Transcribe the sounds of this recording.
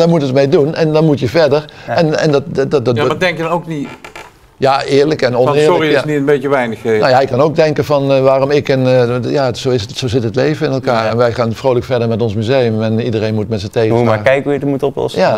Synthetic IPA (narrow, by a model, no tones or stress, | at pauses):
damutətmejdunɛndɑnmutjəvɛɹdəɹɛnɛndɑtdmadɛŋkjədnoʊkni | jaʔɪːɹləkɛnɔnnɪːɹlɔriniənbejkəʋɛjnəχnojaɛjkɑnoʊɡ̚dɛŋkəvɑnʋaːrɔmɪkɛnjaːsowɪssowzɪtɦətlejvənɪnɛlˠkaːɹɛnʋɛjχaːnfrowləkfɛɹdəɹmɛtɔnsmyzejəmɛnidərejnmutmɛtsəntejumakɛjkəujətəmutɔplɔ̰sja